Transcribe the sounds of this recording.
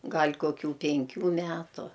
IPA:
ˈɡɐlʲ koːˈkʲuː pʲɛŋʲˈkʲuː ˈmʲæːtʊ

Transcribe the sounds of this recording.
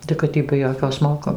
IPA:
tɐɪ kɐt ˈtʲiː bʲɛ ˈjoːkʲoː ˈsmoːkoː

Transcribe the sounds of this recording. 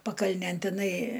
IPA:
pɐkɐlʲˈnʲeːn tʲɪˈnɐɪ

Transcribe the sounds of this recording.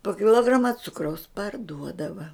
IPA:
poː kʲɪˈlˠoːɡrɐmɐ ˈt͡sʊkrɐʊs pɐrˈduɔdɐʋɐ

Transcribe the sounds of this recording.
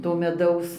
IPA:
toː mʲɛˈdɐʊs

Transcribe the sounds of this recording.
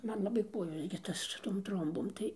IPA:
ˈmɐn lˠɐˈbɐɪ ˈkuɔjoːs ɡʲɪ ˈtɐs sʊ ˈtoːm ˈtroːmboːm tɐɪ

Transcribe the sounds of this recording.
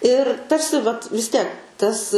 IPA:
ɪr ˈtɐrʲsʲɪ ʋɐt ʋʲɪs ˈtʲiɛk ˈtɐs

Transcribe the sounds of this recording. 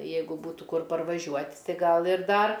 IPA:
ˈjɛɪɡʊ ˈbuːtuː ˈkʊr pɐrʋɐˈʒʲuɔtʲ ˈtɐɪ ˈɡɐlˠ ɪr ˈdɐr

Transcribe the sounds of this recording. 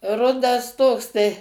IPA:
ˈrʊdɐs ˈtoːks tɐɪ

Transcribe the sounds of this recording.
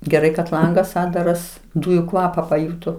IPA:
ɡʲɛˈrɐɪ kɐt ˈlˠɐŋɡɐs ˈɑːddɐrɐs ˈduːjʊ ˈkʋɑːpɐ pɐˈjuːtoː

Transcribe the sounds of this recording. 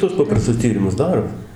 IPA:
tuɔs ˈpɑːprɐstʊs ˈtʲiːrʲɪmʊs ˈdɑːroː

